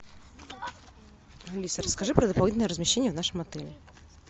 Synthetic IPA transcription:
lʲisəɾəskɐʐɨpɾəd̪əpɐlˠʲid̪nəjəɾəzmʲɪɕːenʲɪjəvnaʂɨmɐt̪ɛlʲɪ

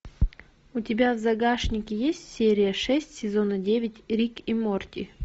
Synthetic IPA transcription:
ʊtʲɪbʲavzɐɡaʂnʲɪkʲɪjesʲtʲsʲeɾʲɪjəʂɛsʲtʲsʲɪzo̞nədʲevʲɪtʲɾʲikimortʲɪ̰

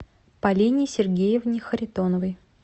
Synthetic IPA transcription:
pɐlʲinʲɪsʲɪrɡʲejɪvnʲɪxəɾʲɪt̪onəvəj

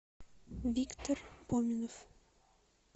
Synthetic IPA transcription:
vʲikt̪orbomʲɪnof

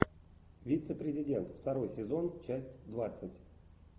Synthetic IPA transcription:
vʲit̪səpɾʲɪzʲɪdʲe̞nt̪ft̪ɐɾo̞jsʲɪzo̞nt͡ɕæsʲtʲd̪vat̪sɨtʲ

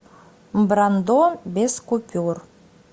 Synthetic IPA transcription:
bɾand̪obʲeskupʲur

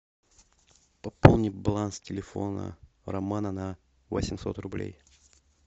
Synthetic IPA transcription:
pɐpolˠnʲɪbalˠanstʲɪlʲɪfo̰nə̰ | rɐmanənɐ | vosʲɪmʲso̞t̪rʊblʲḛj

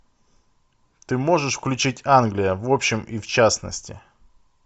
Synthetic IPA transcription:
t̪ɨmo̞ʐɨʂfklʲʉt͡ɕitʲanɡlʲɪjəvo̞pɕːɪmift͡ɕasnə̰sʲtʲɪ

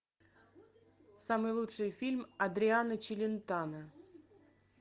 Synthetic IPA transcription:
samɨjlˠuʂɨjfʲilʲmɐd̪ɾʲɪanət͡ɕɪlʲɪnt̪anə

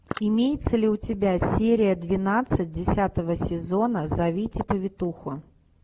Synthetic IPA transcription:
ɪmʲejɪt̪səlʲɪʊtʲɪbʲasʲeɾʲɪjəd̪vʲɪnat̪sɨt̚ʲdʲɪsʲat̪əvəsʲɪzo̞nəzɐvʲitʲɪpəvʲɪt̪uxʊ

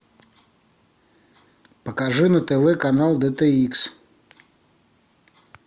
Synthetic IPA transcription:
pəkaʐɨnɐt̪ɛvɛkanalˠd̪ɛt̪ɛiks

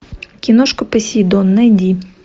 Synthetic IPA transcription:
kʲinoʃkopɐsʲid̪onːɐd̪ʲi

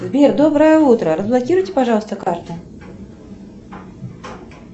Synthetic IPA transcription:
zʲbʲɛrd̪ɔbɾɐjɛut̪ɾɐɾɐzblˠakʲiɾujt͡sʲɛ̥paʐawst̪ɐkart̪u

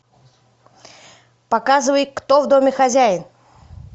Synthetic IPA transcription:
pakazɨvəjkt̪ɔvd̪ɔmʲɪxazʲæjɪn

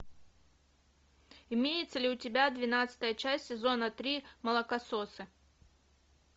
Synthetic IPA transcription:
imʲejɪt̪səlʲɪʊtʲɪbʲad̪vʲɪnat̪sə̥t̪əjət͡ɕasʲtʲːsʲɪzonɐt̪ɾʲimɐlˠɐkɐsosɨ

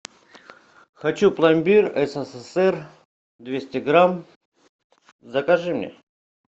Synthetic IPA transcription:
xat͡ɕuplˠamʲbʲirɛsəsɛsɛr | d̪vʲesʲtʲɪɡɾam | zɐkɐʐɨmnʲḛ

